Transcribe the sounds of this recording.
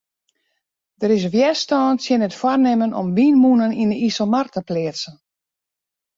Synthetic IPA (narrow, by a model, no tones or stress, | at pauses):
dəɾɪs̬ʋjɛstɔːntsjɪnətfwarnɪmənʔɔ̰mʋiːnmunəninəisəmartəplɪəsən